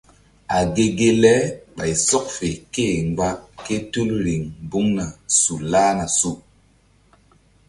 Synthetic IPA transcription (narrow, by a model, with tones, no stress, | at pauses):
a˨ɡe˨ɡe˦lɛ˦ɓa˨jsɔ˦k̚fe˨ke˦˨ŋ˨ɡ͡ba˦ke˦tu˦lɾi˨ŋbu˦ŋna˨su˨laː˦na˨su˦